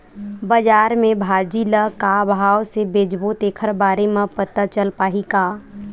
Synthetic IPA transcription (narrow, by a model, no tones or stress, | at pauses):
bəd͡ʒaːɾmẽbʱaːd͡ʒiləkabʱaːwsebeːd͡ʒboːt̪eːkʰəɾbaːɾemãpət̪at͡ʃəlpaːɦikaː